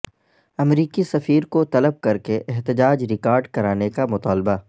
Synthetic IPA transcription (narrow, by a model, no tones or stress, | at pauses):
ɐmɾiːkisɐfiːɾkot̪ɐləb̚kɐɾkeʔɛɦt̪ɪd͡ʒaːd͡ʒɾɪkaːɾɖkɐɾaːnekamʊt̪aːlba